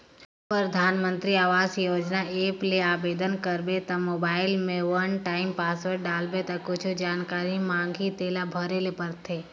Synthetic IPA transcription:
pɾəd̪ʱaːnmə̃nt̪ɾiaːʋaːzjoːd͡ʒnaeːpleaːbeːd̪ənkəɾbet̪ãmoːbaːɪlmẽʋɐnʈaːɪmpaːsʋəɾɖaːlbet̪ãkʊt͡ʃʰod͡ʒaːnkaːɾimãːŋɡʱit̪eːlabʱəɾelepɐɾt̪ʰeː

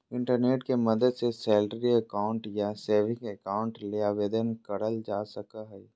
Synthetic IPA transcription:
ɪ̃ɳʈəɾneːʈkemɐd̪əd̪sesɛːlʈəɾiəkaːʊ̃ɳʈjaseːʋɪ̃ŋkəkaːʊ̃ɳʈleaːʋeːd̪ənkɐɾəld͡ʒaːsəkaɦɛː

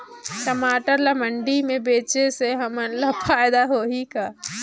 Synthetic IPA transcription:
kɐmaːʈəɾlamɐ̃ɳɖimẽbeːt͡ʃeseɦɐmənlafaːɪd̪aɦoːɦikaː

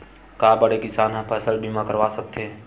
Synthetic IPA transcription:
kaːbəɽekɪsaːnɦãpʰɛːsəlbʱimãkəɾʋaːsək̚t̪ʰeː

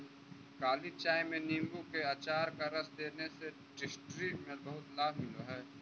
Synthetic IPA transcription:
kaːlit͡ʃaːjmẽnĩːŋɡukeaːt͡ʃaːɾkaɾɐsd̪eːnese | ɖɪsʈɾimẽbɐɦʊt̪laːbmɪloɦɛː

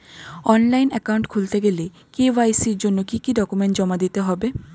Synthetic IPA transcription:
ɔnlajnɛkawɳʈkʰult̪eɡele | kiwajsiɾd͡ʑonːokikiɖɔkumeɳʈd͡ʑɔmad̪it̪eɦɔbe

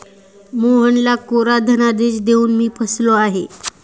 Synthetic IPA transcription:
muɦəɳlakoɾad̪ʱənad̪et͡ɕd̪euːnmiːpʰəsloaɦe

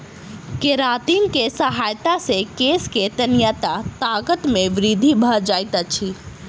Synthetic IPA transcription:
keɾat̪inkesəɦajt̪asekesket̪ənjat̪at̪akət̪meʋɾid̪ʱibʱəd͡ʒajt̪ət͡ʃʰi

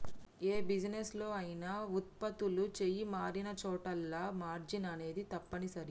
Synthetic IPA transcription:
eːbid͡ʒneslo̞ːɐjinaːut̪̚pɐt̪ulut͡ʃejimaːɾinɐt͡ʃɔːʈɐlːɐmaːɾd͡ʒinɐne̞ːd̪it̪ɐpːɐnisɐɾi

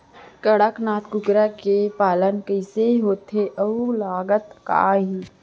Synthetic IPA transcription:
kəɽəknaːt̪kʊkɾɛkepaːlənkəɪseɦoːt̪ʰeʔəulaːɡət̪ka̰ːɦiː

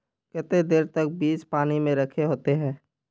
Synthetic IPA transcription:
kɛt̪ed̪eːɾt̪ək̚biːt͡ʃpaːnimẽɾɐkʰeɦoːt̪eɦɛ̃ː

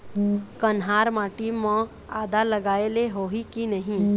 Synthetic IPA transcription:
kənɦaːɾmãːʈimːõ | a̰ːd̪aləɡaːeleɦoːɦikinəɦĩ

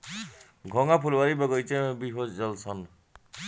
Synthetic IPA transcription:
ɡʱɔŋapʰulwaɾibaɡɔjt͡sebiɦozːʌlsʰʌn

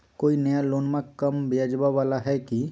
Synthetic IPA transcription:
koːinəjaloːnmãkəmbeəd͡ʒbaʋaːlaɦɛki

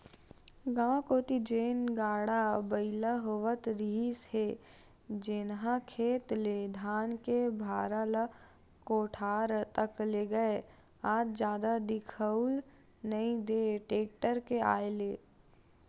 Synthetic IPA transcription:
ɡãːkoːt̪id͡ʒeːnɡaːɽabəɪlaɦoːʋət̪ɾiːsɦe | d͡ʒɪnɦãkʰeːt̪led̪ʱaːnkebʱaːɾala | koːʈʰaːɾt̪ɐkleɡəe | aːd͡ʒd͡ʒjaːd̪ad̪ɪkʰəʊl | nɐɦĩd̪eːʈeːk̚ʈəɾkea̰ːeleː

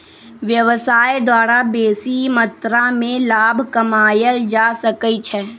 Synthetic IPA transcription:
ʋjəʋsaːjd̪waːɾabeːsimət̪ɾamẽlaːbʱkɐmaːjəld͡ʒaːsəkəit͡ʃʰɛ

